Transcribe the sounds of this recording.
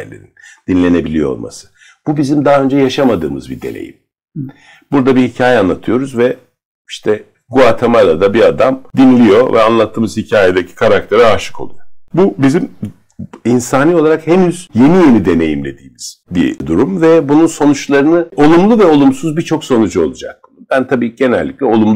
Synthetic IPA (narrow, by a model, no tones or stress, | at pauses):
elʲḛɾind̪inlʲe̞ne̞bilʲijo̞o̰lˠmʔa̰sɯ̥ | b̥ubizimd̪aɦaø̞nd͡ʒɛjaʃamad̪ɯːmɯzbid̪e̞̰nʲḛjḭm | buɾd̪abihicʰaːjɛanlˠat̪ʰɯjo̞ɾuzvɛ | iʃt̪ʰɛ | ɡuat̪ʰemalˠad̪abiad̪amd̪inlʲijo̞̰vɛ̰anlˠat̪ʰːɯːmɯzhicʰaːjed̪ecʰi̥kʰaɾak̚t̪ʰe̞ɾɛaʃɯ̥kʰo̞̰lˠṵjobubizim | insaːnio̞lˠaɾakhe̞nyz̥je̞nije̞nid̪e̞ne̞jimlʲe̞d̪iːmiz̥bḭd̪uɾumvɛbununso̞nut͡ʃlˠaɾɯnɯo̞lˠumlˠuvɛo̞lˠumsuzbit͡ʃʰo̞kso̞nud͡ʒuo̞̰lˠud͡ʒa̰k̚t̪ɯmb̥ænt̪ʰabiːɟe̞nɛ̰lʲːiclʲɛo̞lˠumlˠ